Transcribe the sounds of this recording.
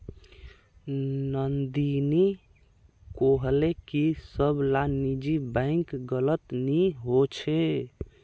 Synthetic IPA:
nənd̪ini | koɦlekisəbʱlanid͡ʒibə̃ɪ̃ŋkɡələt̪niɦot͡ʃʰe

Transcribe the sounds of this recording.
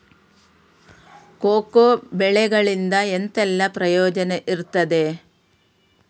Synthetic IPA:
koːkobɛɭɛɡɐɭind̪ɐent̪ɛlːɐpɾɐjɔːd͡ʒɐneʔiɾt̪ːɐd̪e̞

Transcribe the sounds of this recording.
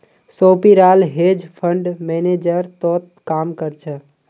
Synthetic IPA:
soːpiɾaːlɦeːd͡ʒpʰəɳɖmened͡ʒəɾt̪ɔːt̪̚kaːmkəɾt͡ʃʰə

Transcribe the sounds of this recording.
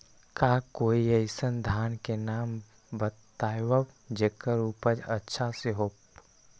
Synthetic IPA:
kaːkoːiəɪsənd̪ʱaːnkenaːm | bət̪aːjwəbd͡ʒekəɾuːpəd͡ʒətːʃʰaseɦoːp

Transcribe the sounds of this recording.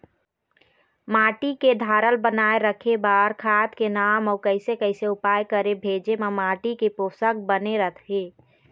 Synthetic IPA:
maːʈiked̪ʱaːɾəlbənaːeɾəkʰebaːɾkʰaːt̪kenaːmɔːɾkəɪsekəɪseʊpaːjkəɾebʱeːd͡ʒemãmaːʈikepoːsək̚bəneɾət̪ʰɦeː

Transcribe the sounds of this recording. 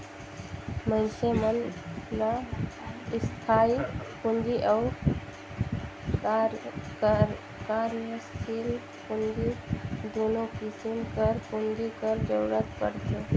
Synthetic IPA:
məɪnsemənla | st̪ʰaipund͡ʒiʔaʊ | kaɾjəst̪ʰil | pund͡ʒid̪onokisimkəɾkund͡ʒ̪ikəɾd͡ʒəwɾət̪pə̰ɽt̪e

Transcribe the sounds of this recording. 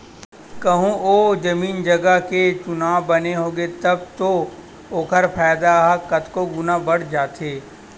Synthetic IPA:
kɐɦũʔoːd͡ʒɐmiːnd͡ʒɐɡəɦket͡ʃʊnaːʋbɐneɦoːɡet̪ɐbt̪o | oːkʰəɾpʰaːjd̪aɦakɐt̪koɡʊnabɐɽ̤d͡ʒaːt̪ʰeː

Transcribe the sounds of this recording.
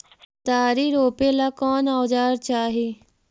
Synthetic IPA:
t̪aːɾiːɾoːpeːlaːkɔːnaːd͡ʒaːɾt͡ʃaːɦeː

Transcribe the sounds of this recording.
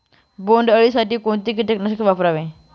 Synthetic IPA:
boɳɖəɭiːsaʈiːkoɳt̪iːk̬it̪eknəskʋapɾaʋe

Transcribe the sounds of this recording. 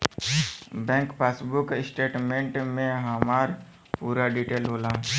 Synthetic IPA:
bɛ̃ːŋkpaːsbʊksʈeːʈmẽɳʈmẽɦəmaːɾ | puːɾaɖiːʈeːlɦoːlaː

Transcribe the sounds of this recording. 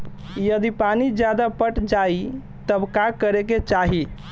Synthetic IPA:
jəd̪ipanid͡ʒjad̪apəʈd͡ʒai | t̪əbkakəɾeket͡ʃaɦi

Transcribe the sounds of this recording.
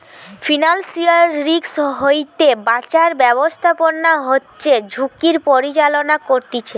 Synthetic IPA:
fʰinansialːiksɦojt̪ebat͡ɕaɾbɛβost̪ʰaponːaɦotːɕed͡ʑʱukiɾpoɾit͡ɕalonakoɾt̪it͡ɕʰe

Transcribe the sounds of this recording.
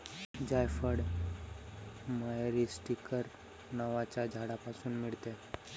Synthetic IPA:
d͡ʑajfəɽ | majɾisʈikəɾ | nəʋat͡ɕad͡ʒʱaɽapasuːnmiɭt̪e

